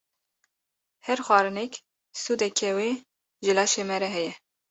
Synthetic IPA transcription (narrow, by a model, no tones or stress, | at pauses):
hɛɾxwɑːɾɨnɛk | suːd̪ɛkʰɛweː | ʒɨlɑːʃemɛɾɛɦɛjɛ